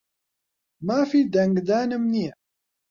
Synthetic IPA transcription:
mæfid̪æŋɡd̪ænəmni

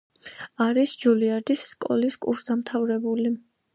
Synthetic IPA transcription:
aɾisd͡ʒuliaɾd̪isːkʼɔ̰liskʼṵɾsd̪amt̪ʰavɾɛbuli

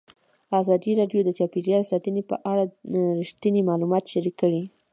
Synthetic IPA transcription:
ɑzɑd̪iɾɑɖjod̪ət͡ʃɑpiɾjɑlsɑt̪ənipə̰ʔaɽaɾiʃt̪ənimɑlumɑt̪ʃaɾikːəɽi

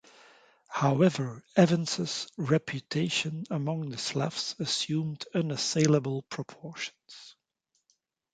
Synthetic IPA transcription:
haʊɛvə˞ɛvɨ̃nsəsɹɛpʰjɨtʰeɪʃɨ̃nəmʌ̃ŋðɨslæ̰fsɨsjʉ̃ːmdʌ̃nəseɪlˠəbəl̩ˠpʰɹ̥əpʰɔɹʃn̩z̥

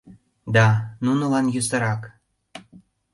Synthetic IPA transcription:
d̪ɑnunə̆lɑnjusəɾɑk

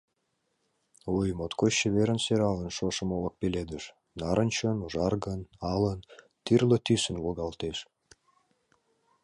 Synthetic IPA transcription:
ojmot̪kʰoɕːəβeɾənseɾɑlənʃoʃə̆molə̆k̚peled̪əʃ | nɑɾənt͡ɕənuʒɑrɣənɑlən | t̪irlət̪ysə̆nwoɣɑlt̪eʃ

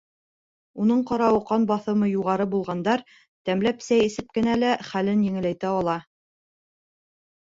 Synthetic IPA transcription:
unɤɴqɑɾɑwɤ̆qɑnbɑθɤ̆mɤjuʁɑɾɤbulˠʁɑnd̪ɑɾ | t̪æmlæpsæjɘ̆sɘp̚kɘ̆nælæχælɘnjɘ̆ŋɘ̆læjt̪æɑlˠɑ

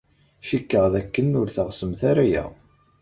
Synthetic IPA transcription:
ʃikːəʁðækːənʊɾθəʁsəmθaɾajæ̰

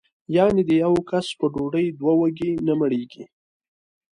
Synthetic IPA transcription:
jɑned̪əjawkaspəɖoɖəjd̪wawəɡenaməɽeɡi

